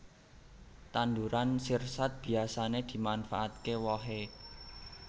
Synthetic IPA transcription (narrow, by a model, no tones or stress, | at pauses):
t̪and̪uɾansirsat̪̚b̥i̤asaned̪̥i̤manfaʔat̪kewɔɦe